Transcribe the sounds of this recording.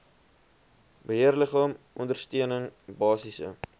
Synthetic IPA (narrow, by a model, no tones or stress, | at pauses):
bəɦiərləχɑːmʔɔndərstiənəŋbɑːsisə̰